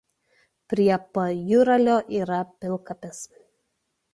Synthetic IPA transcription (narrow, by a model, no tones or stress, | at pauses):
pʲɾʲiɛpɐjʊɾɐlʲoːʔiːɾɐpʲɪlˠˑkɐpʲɛs